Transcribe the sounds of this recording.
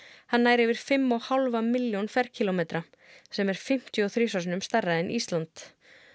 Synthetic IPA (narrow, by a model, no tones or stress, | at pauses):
hanːaːjɾevɪɾ̥fɪmːɔɣhalvamɪljɔnfɛr̥cʰilomeːt̪ɾa | sɛmɛɾ̥fɪm̥t̪jʏɔθɾiːsas̬nʏmst̪araðɪnʔḭst̪lant̪